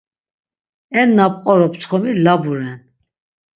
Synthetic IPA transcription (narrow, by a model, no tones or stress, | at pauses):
ɛnːapʼqʼɔɾɔpt͡sχɔmilabuɾɛn